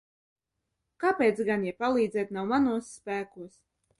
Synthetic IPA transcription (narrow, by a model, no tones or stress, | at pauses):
kapʲeːt̪sɡanjɛpalˠiːd̪zʲɛːt̪nawmanuɔsːpæːkuɔs